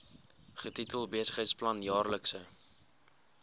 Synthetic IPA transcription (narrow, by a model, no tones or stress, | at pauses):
χətitəlˠbiəsəχəjtsplɐnjɑːrləksə